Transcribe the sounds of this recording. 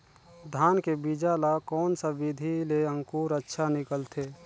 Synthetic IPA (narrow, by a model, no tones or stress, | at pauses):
d̪ʱaːnkebid͡ʒalakɔːnsabid̪ʱileə̃ŋkuːɾətːʃʰanɪkəlt̪ʰeː